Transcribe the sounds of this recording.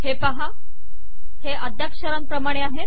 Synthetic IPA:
hepəɦa | heʔəd̪ʱjakʂəɾənpɾəmaɽ̃eaɦet̪

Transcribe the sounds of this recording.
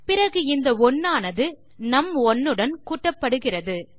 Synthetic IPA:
pɪrɐɣɯɪnd̪ɐɔnːaːnɐðɯ | nɐmɔnːɯɽɐnkuːʈːɐpːɐɽɯɣɪrɐðɯ

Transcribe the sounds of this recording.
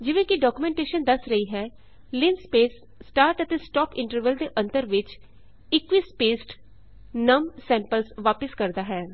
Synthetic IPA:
d͡ʒɪʋẽːkiɖɔːkumẽɳʈeːʃənd̪əsɾəiːɦɛː | lɪnspeːsː | ʈaːɾʈət̪eːsʈɔːpɪ̃ɳʈəɾʋəld̪eːʔə̃nt̪əɾʋɪt͡ʃ | ɪkʋiːspeːsʈ | nəmsɛ̃ːmpəlsʋaːpəskəɾd̪aːɦɛː

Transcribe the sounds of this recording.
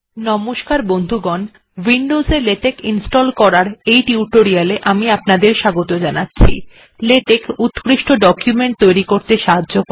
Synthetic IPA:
nɔmoʃkaɾbond̪ʱuɡɔn | wiɳɖozeɾleʈekinsʈɔlkɔɾaɾejʈiuʈoɾialeʔamiapnad̪eɾʃaɡot̪od͡ʑanatːɕʰḭ | leʈekut̪kɾiʃʈoɖɔkjumeɳʈ̚t̪ojɾikoɾt̪eʃaɦadːʑok

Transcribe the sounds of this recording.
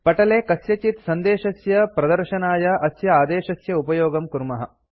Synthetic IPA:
pɐʈɐleːkɐsjɐt͡ʃit̪sɐnd̪eːʃɐsjɐpɾɐd̪ɐɾʃɐnaːjɐʔɐsjɐaːd̪eːʃɐsjɐupɐjoːɡɐmkuɾmɐɦɐ̰

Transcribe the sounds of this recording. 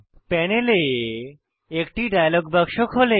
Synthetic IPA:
pɛnele | ekʈiɖajalɔɡbəkʃokɦole

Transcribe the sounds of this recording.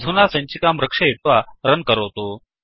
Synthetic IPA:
d̪ʱunaːsɐ̃ɲt͡ɕikaːmɾɐkʂɐit̪̚ʋaɾɐnkɐɾoːt̪oː

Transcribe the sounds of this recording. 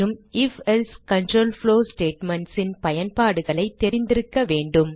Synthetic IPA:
ɯmɪfɛlskɐɳʈroːlfloːsʈeːʈmɐɳʈsɪnpɐjɐnpaːɽɯɣɐɭɐɪt̪ːɛɾɪnd̪ɪɾɯkːɐʋeːɳɖɯm

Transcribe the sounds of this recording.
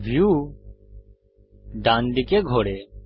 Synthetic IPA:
ʋʱjuː | ɖãːnɖ̪ɪkeːɡʱoːɽeː

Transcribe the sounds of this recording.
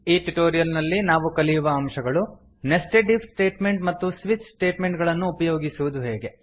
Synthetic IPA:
iːʈuʈoːɾijɐlnɐlːinaːʋukɐlijuʋɐːmʃɐɡɐɭu | nesʈeʈipsʈeːʈmeɳʈmɐt̪ːusʋit͡ʃsʈeːʈmeɳʈɡɐɭɐnːuːpɐjoːɡisuʋud̪uɦḛːɡe̞

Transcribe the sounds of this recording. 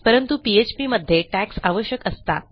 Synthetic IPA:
pəɾənt̪upiet͡ɕpiməd̪ʱːjeʈæksaʋəɕjəkəst̪a̰t̪̚

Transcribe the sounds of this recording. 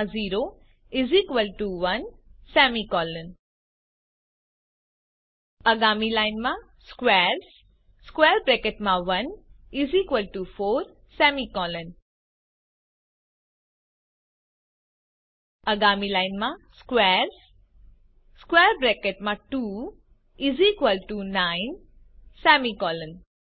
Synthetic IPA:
ziːɾo | izikʋəlʈuʋɐnsɛːmikɔːlən | ɐɡaːmilaɪnmã | skʋeːɾs | skwɛːɾbɾekeʈmãʋɐnizikʋəlʈufoːɾ | sɛːmikɔːlən | ɐɡaːmilaɪnmãskʋeːɾs | skweːɾbɾekeʈmãʈuː | izikʋəlʈunaɪn | sɛːmikɔːlən

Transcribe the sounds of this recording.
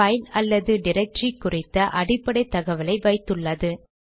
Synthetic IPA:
ɐɪnɐlːɐðɯɖɪɾɛk̚ʈrikːʊrɪt̪ːɐʔɐɽɪpːɐɽɐɪt̪ːɐɣɐʋɐlɐɪʋɐɪt̪ːɯɭːɐðɯ

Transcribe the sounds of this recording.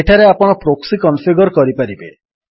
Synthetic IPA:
eʈʰaɾeapɔɽ̃ɔpɾoksikɔnpiɡɔɾkɔɾipaɾibe

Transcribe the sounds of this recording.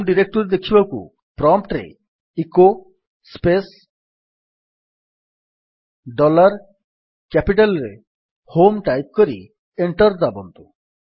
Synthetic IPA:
mɖiɾek̚ʈɔɾed̪ekʰibakṵ | pɾɔmpʈɾḛ | iko | spes | ɖɔlaɾ | kɛpiʈalɾe | homʈajp̚koɾi | eɳʈɔɾd̪abɔnt̪u

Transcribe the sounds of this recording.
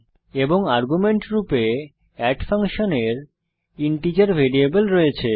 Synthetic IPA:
eboŋaɾɡumeɳʈɾupe | ɛʈfʰaŋʃoneɾ | iɳʈid͡ʑaɾbʱeɾiebolɾɔjet͡ɕʰe

